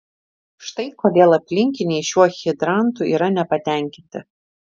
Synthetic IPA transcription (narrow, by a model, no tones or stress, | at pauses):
ʃt̪ɐɪkoːd̪ʲeːlˠɐpʲlʲɪŋʲkʲɪnʲɛɪʃʲuɔxʲɪd̪ɾɑˑnt̪uiːɾɐnʲɛpɐt̪ʲæˑŋʲkʲɪnʲt̪ʲɪ